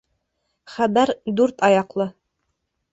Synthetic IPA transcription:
χæbæɾd̪ʉɾt̪ɑjɑqlˠɤ

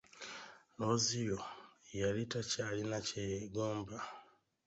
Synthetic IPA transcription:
lozijojalitacalinaceɡoːmba

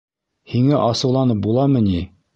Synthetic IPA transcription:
hiŋæʔɑsɤ̆wlˠɑnɤp̚bulˠɑmɤ̆ni

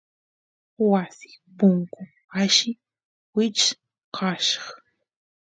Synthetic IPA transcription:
wasɪ̥pʊŋkʊ | aʃɪ | wɪt͡ʃ | kʰɑʃɑ̥χ

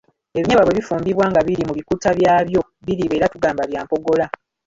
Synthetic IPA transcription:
e̞βiɲaβaβweβifuːmbiβwaːŋɡaβiɾimuβikutaβjaːβjo̞ | βiɾiːβe̞ːɾatuɡaːmbaβjaːmpo̞ɡo̞la

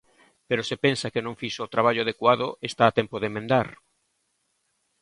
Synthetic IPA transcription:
peɾosepensakenõŋfiʃoːt̪ɾaβ̞aʎʊaðekwaðoʔest̪aːt̪ɛmpoðemẽnd̪aɾ

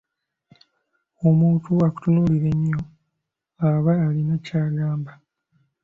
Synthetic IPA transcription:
o̞muːtuaku̥tunuːliɾe̞ɲːo | aβaːlinacaːɡaːmba

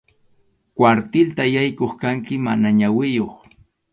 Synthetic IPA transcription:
kwaɾt̪ɪlt̪ajajkoχkaŋkɪmanaɲawɪjoχ

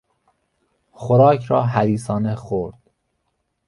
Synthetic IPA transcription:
xoɾɒːcʰɾɒːɦæd̪iːsɒːnexoɾd̪̥

